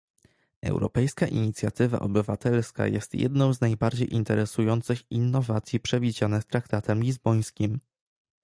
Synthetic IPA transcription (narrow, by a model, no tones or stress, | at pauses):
ɛ̰wɾɔ̰pɛjskaʔiɲit̪sʲjat̪ɘva̰ʔɔbɘvat̪ɛlska̰jɛ̰st̪jɛ̰d̪nɔ̃w̃znajbaɾd͡ʑejʔint̪ɛɾɛsujɔnt̪sɘxinːɔvat̪sʲjipʂɛvʲid͡ʑanɘst̪ɾakt̪at̪ʰɛmlʲizbɔj̃skʲim